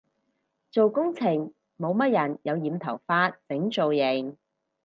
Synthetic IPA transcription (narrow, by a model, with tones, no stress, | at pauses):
t͡so˨wkʊ˥ŋt͡sʰɪ˨˩ŋ | mo˨˧wmɐ˥t̚jɐ˨˩njɐ˨˧wjiː˨˧mt̪ʰɐ˨˩wfaː˥t̚t͡sɪ˨˥ŋt͡so˨wjɪ˨˩ŋ